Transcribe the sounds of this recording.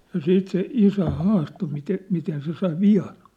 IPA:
jɑ siːt se isæ hɑːsto mite miten se sɑi ʋiɑn̞

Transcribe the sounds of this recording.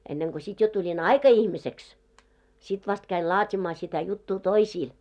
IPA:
enːeŋko sit jo tulʲin ɑikɑihmiseks sit ʋɑst kæil lɑːtʲimɑː sitæ jutːuː toisiːl

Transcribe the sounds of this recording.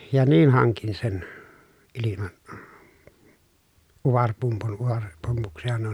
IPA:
jɑ niːn hɑŋkin sen ilimɑn uʋɑrpumpun uʋɑrepːumpuksihɑn nuo

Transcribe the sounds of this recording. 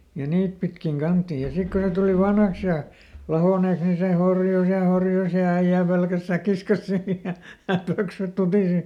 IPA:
jɑ niːt pitkiŋ kɑntːiːj jɑ sik kun ne tuli ʋɑnhɑks jɑ lɑhoˑneˑks ni se horjus jɑ horjus jɑ æij̆æˑ pelkæs sækːis kɑs siː jɑ jɑ pøksyt tutiˑsi

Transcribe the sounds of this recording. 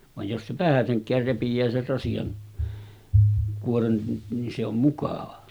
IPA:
ʋɑj jos se ʋæhæseŋkˑæːr repijˑæː ser rɑsijɑn kuoren ni se om mukɑˑʋɑ

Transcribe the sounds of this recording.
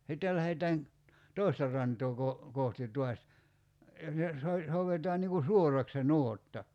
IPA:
sitːel læhetæːn toˑistɑ rˑɑntoː ko kohti tˑuɑs so souʋetɑːn niŋ ku suorɑk se nuotːɑ

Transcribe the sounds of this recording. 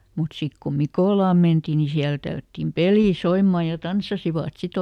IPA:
mut sik ko mikoˑlɑˑm mentiˑ ni siælæ̆ tælːætːim peliˑ soimːɑˑ jɑ tɑnsːɑsiʋɑˑt sit

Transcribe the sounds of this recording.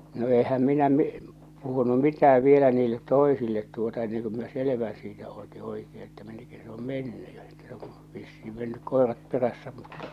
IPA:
no ehæm minæ mi puhunu mitææʋ ʋielæ niːlːet toisilːet tuotɑ enːeŋ ku min̆æ seleʋæ̃ː siːtæ oˑti oikeː etːæ minːek kæsi̥ se̥ om menːy jɑ etːæ se̥ o̥ ʋisːiː menːyk koerɑt peræsːæ mutːɑ

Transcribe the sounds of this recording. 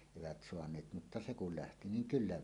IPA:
eʋæt soɑnˑeːt mutːɑ se kul læhti niŋ kylːæ

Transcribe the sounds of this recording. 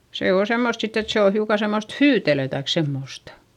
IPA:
se oː semːost sitː et se o hiukɑ semːost hyːtelø tɑik semːoˑstɑ

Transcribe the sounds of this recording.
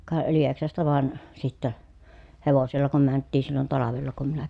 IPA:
kɑ lieksɑstɑ ʋɑˑen sitːæ heʋoselːɑ kum mæntːiːn̞ silːon tɑlɑʋelːɑ kum minæ

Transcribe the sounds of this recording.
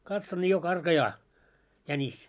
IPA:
kɑtson nʲi jo kɑrkɑjɑː jænis

